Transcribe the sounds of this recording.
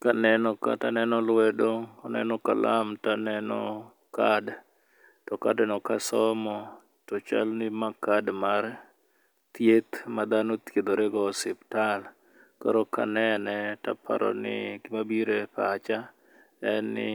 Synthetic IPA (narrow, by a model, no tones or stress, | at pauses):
kanɛnɔka̰tanɛnɔlwɛdokɔnɛ̰nɔka̰lamtanɛnɔ̰ | kad | tɔkadɛnɔkasɔmɔ | tɔt͡ʃa̰lnɪmakadmaɾ | t̪jet̪mad̪anot̪ed̪oɾɛɡɔsɪptal | kaɾoka̰nɛanɛta̰pʰa̰ɾɔ̰nɪ̰ɡɪmabiɾepat͡ʃa | ɛnɪ̰